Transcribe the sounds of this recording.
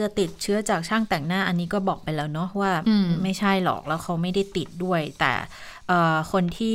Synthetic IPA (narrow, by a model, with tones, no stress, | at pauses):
ɯ˧t̪i˨˩t̪̚t͡ɕʰɯ˦˥ɐt͡ɕaː˨˩k̚t͡ɕʰaː˥˩ŋt̪ɛː˨˩ŋnaː˥˩ʔa˧nːiː˦˥kɔː˥˩bɔː˨˩k̚pa˧jlɛː˦˥wnɔ˦˥waː˥˩˧ma˥˩jt͡ɕʰa˥˩jlɔ̰˨˩k̚lɛː˦˥wkʰa˦˥wma˥˩jda˥˩jt̪i˨˩t̪̚du˥˩əjt̪ɛ̰ː˨˩ | ʔɤː˨˩kʰo˧nt̪ʰiː˥˩